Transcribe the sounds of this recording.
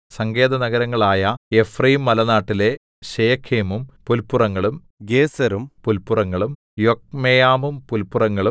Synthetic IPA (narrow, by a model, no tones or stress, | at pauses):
sɐŋɡe̞ːd̪ɐnɐɡɐɾɐŋːɐɭaːjɐefrijmːɐlɐnaːʈːile̞ | ɕejɐkʰːeːmumpulpːurɐŋːɐɭum | ɡeːsɐɾumpulpːurɐŋːɐɭum | jok̚mejaːmumpulpːurɐŋːɐɭu